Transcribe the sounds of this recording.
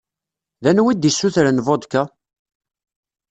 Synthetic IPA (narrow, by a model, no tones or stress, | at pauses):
ðænwid̪isːuθɾənvod̪kæ